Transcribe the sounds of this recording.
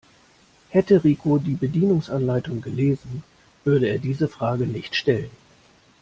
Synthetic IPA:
hɛtəʁiːkʰodiːbədiːnʊŋsʔanlaɪtʊŋɡəleːzn̩ | v̥ʏɐɾəeːɐdiːzəfʁ̥aːɡənɪçtʃtɛlən

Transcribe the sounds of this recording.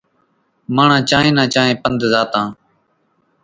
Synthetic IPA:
maːɳ̤ãːt͡ʃãːɦẽːnãːt͡ʃaːɦẽːpənd̪zaːt̪ãː

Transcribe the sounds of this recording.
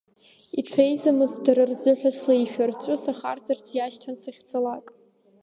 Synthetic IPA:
iʈ͡ʂʷʰejzamɨzdarɨrzɨħʷᶣaslaiʃᶣart͡ɕʷʼʊsaχa̰rt͡sart͡sʰjaʃtʰansaχʲt͡sʰʼalakʼ

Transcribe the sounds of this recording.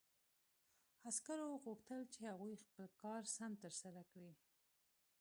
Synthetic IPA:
askaɾoɣuxt̪əlt͡ʃehaɣujxpəlkɑɾsamt̪əɾsaɾakɽi

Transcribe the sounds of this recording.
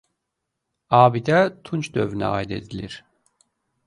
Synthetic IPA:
aːbid̪ɛt̪ʰunt͡ʃd̪øvynɛ̰a̰ːid̪e̞̰d̪ilʲiɾ̥

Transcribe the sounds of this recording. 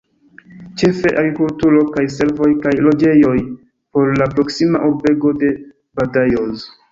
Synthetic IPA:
t͡ʃe̞fe̞ʔaɡɾikultuɾo̞kajs̬e̞lvo̞jkajlo̞d͡ʒe̞jo̞j | po̞ɾlapɾo̞ksima̰ʔuɾbe̞ɡo̞de̞ | badajoz

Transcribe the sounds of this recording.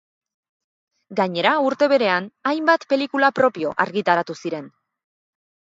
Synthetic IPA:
ɡaɲe̞ɾauɾt̪e̞β̞e̞ɾe̞anajmbat̪pe̞likulapɾo̞pio̞̰ʔaɾɣit̪aɾat̪usiɾe̞n

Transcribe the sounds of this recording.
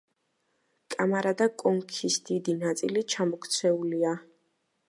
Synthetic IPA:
kʼamaɾad̪akʼɔŋkʰisd̪̥id̪inat̪sʼḭlit͡ʃʰamɔkʰt̪sʰɛulia

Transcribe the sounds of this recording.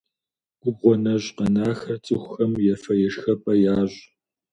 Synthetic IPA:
ɡ̥ʷʊbʁʷɔnɐʑqɐnaːxɐt͡sʼɨxʷʊxɐmjɛfɐjɛʂxɐpʼɐjaːʑ

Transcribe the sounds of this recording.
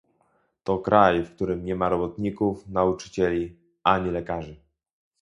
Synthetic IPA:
t̪ɔkɾajfkt̪uɾɘmɲɛmaɾɔbɔt̪ɲikufnaut͡ʂɘ̥t͡ɕɛlʲi | aɲilɛkaʐɘ

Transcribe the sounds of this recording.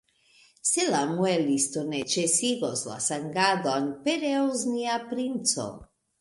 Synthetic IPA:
selamuelist̪onet͡ʃesiɣosla̰saŋɡad̪ɔnpeɾeozniapɾint͡so̰

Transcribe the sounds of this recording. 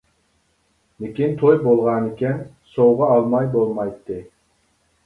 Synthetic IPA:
mɪkʲint̪ʰojbolˠʁɑnɪkʲɛn | sowʁɑɑlˠmɑjbolˠmɑjt̪ʰːɨ

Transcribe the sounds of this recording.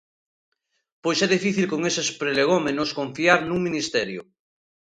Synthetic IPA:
pojsɛðifiθilkoŋesespɾeleɣ̞omenoskoɱfiaɾnuŋmĩnist̪ɛɾjo̰

